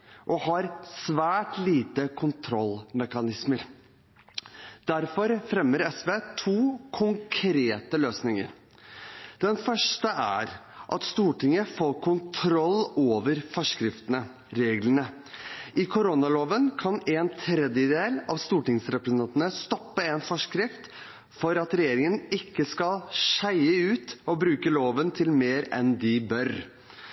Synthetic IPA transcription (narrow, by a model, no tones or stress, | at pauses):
ʔɔhɑɾsʋæːʈliːt̪əkʰʊnt̪ʰɾɔlmɛkɑnɪsməɾ | d̪̥æɾfɔɾfɾɛmːəɾɛsʋeːt̪ʰuːkʰʊŋkʰɾeːt̪əløːsnɪŋə̰ɾ | d̪̥ɛnfœʂʈəʔæ̰ɾ | ʔɑ̰t̪st̪uːʈɪŋəfoːkʰʊnt̪ʰɾɔlːoːʋəɾfɔʂkɾɪft̪ənə | ɾeːɡlənə | ʔɪkʰʊɾɔnɑloːʋənkʰɑneːnt̪ʰɾɛd̪jəd̪eːlɑʋst̪uːʈɪŋsɾɛpɾəsənɑnt̪nəst̪ɔpːəeːnfɔʂkɾɪft̪ | fɔɾɑt̪ɾɛjeːɾɪŋənɪkːəskɑlʂæɪəʉːt̪ɔbɾʉːkəloːʋənt̪ʰɪlmeːɾɛ̰nd̪ɪbœɾ